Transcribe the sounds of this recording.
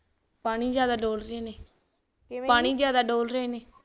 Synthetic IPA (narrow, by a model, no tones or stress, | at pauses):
paːɽ̃iːd͡ʒjaːd̪aːɖoːlɾeːneː | paːɽ̃iːzjaːd̪aːɖoːlɾəeːneː